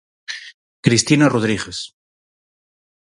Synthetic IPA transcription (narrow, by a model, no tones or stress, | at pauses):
kɾist̪inaroð̞ɾiɣes